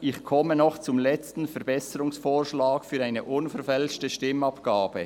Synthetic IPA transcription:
ʔɪçkʰɔmənɔχt͡sʊmlɛt͡stn̩fɛɾbɛsəɾʊŋsfoːɾʃlaːkfyːɾaɪnəʔʊnfɛɾfɛlʃtəʃtɪmɑpɡ̥aːbə

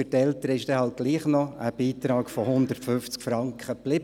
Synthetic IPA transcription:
ʏtɛltəɾəɪʃd̥ɛhɑlt̪̚ɡ̥liːχnɔəb̥iːt̪ɾɑːɡ̥fɔhʊnd̪ərtfʏft͡skfɾɑŋkχəplɪb

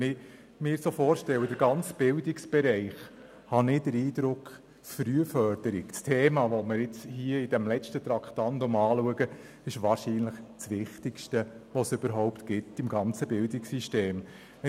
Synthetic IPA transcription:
nɪ | mɪːɾsofoːɾʃtɛlwədəɾɡɑnt͡sb̥ɪldɪksb̥ɛɾɛɪχ | hɑnɪdəɾiːd̪ɾʊk | sfɾyəfœɾd̥əɾɪkt͡stʰeːmɑʋɔməɾɪt͡shiəɪd̥ɛmlɛʃtət̪ɾɑkχt̪ɑntomɑːluəɡə | ɪʃʋɑːɾʃiːnləχt͡sʋɪχtɪkʃtəʋosʏb̥əɾɦɔʊptɡ̥ɪtɪmɡɑnt͡səbɪldɪksiʃteːm

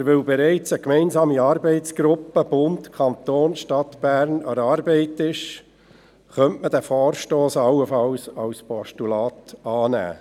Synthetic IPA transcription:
ʋelbɛɾɛɪt͡səkmɛɪnzɑːmiɑːɾbɛɪtt͡sɡ̥ɾʊpːəb̥ʊntkʰɑnt̪oːnʃtɑt̪b̥æːɾnɑ̰ɾɑːɾbɛɪtɪʃ | χœntməd̥æfɔːɾʃtoːsɑlːəfɑwsɑwspɔʃtulɑːt̪ɑːnæ̰ː

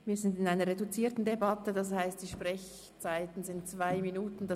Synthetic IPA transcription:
viːɐzɪndɪnaɪnɐʁedut͡siːɐtn̩debɑtədɑshaɪstd̥iːʃpʁɛç | t͡saɪtn̩zɪnt̚t͡sv̥aɪminuːtn̩da

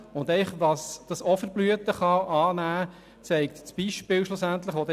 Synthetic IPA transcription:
ʊnd̪ɛɪχʋɑsd̥ɑsɔfəɾblyət̪əχɑʔɑːnæː | t͡sɛɪkt̪t͡sb̥iʃpɪːwʃlʊsænt̪ləχʋod̪ɛ

